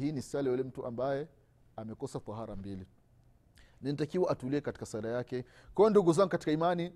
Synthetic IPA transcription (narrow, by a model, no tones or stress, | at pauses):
hiːnisalɛjulɛm̩tuʔa̰mbajɛ | amɛkɔsafaɦaɾambili | ninitakiwaʔatuliɛkati̥kasaɾajakɛkɔɔnduɡuzaŋɡukati̥kaimani